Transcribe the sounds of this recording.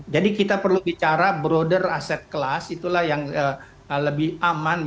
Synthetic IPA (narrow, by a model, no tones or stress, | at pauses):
d͡ʒadikit̪apərlubit͡ʃaɾabɾodərasɛt̪̚kəlasit̪ulahjaŋə | ələbɪhaman